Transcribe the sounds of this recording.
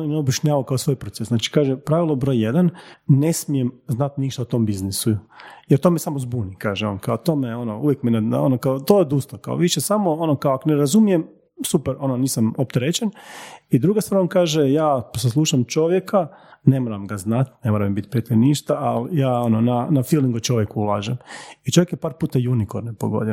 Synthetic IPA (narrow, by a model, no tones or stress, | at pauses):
oneobjaʃɲaːʋaokaosʋo̞ːjpɾosesznaːt͡ʃi̥kaːʒepɾaʋilˠobɾo̞ːjjed̪anːe̞smijemznat̪niʃt̪aut̪o̞mbiznisujeɾt̪o̞mesamozbunikaːʒeonkaot̪oːmeo̞nouʋjekminanonokaot̪ojed̪uːst̪oka̰oʋiʃesamoonokaoakoneɾazumije̞m | supeɾo̞noniːsamop̚t̪eɾet͡ɕenid̪ɾuːɡasʋaɾonkaːʒejaːsaslˠuːʃamt͡ʃo̞ʋjekane̞moɾamɡaznat̪ne̞moɾammbit̪̚ʲpɾiet̪iniʃt̪aʔalijaːononanafiliŋɡot͡ʃoʋjekuulˠaːʒemit͡ʃo̞ʋjekjepaːɾpuːt̪ajunikoɾnepoɡo̰d̪e